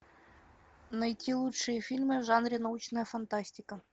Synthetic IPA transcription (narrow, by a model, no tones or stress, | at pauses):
nɐjtʲʰilˠutʂɨjəfʲilʲmɨʐɑnɾʲɪnɐut͡ɕnəjəfɐnt̪asʲtʲikə